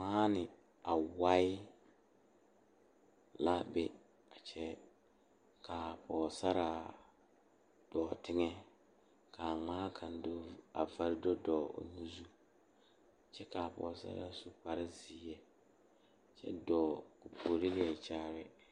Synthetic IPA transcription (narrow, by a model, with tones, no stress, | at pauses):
maː˦nɪ˨ | a˨wa˦ɪ˦ | la˦bɪ˦ | a˨t͡ʃʰɛ˦ | kʰa˨pʰɔː˨sa˦ɾa˨ | d̥ɔː˨tɪ˦ŋɛ˦ | kʰa˨ŋ͡maː˦kʰa˨nda̰˨va˦ɾɪ˦dɔ˦dɔː˨o̰˨nũ˦zu˦˨ | t͡ʃɛ˦ka˨pɔ̰ː˨sa̰˦ɾa̰˨su˨pa˦ɾɪ˦ziː˨˦ɛ˦˨ | t͡ʃɛ̰˦dɔː˨ku˨pʰo˨ɾi˦lɪ˦ɛ˨t͡ʃaː˦ɾɪ˦